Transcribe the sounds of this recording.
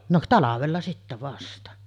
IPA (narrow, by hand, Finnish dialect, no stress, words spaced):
no tɑlɑʋelːɑ sitːæ ʋɑstɑ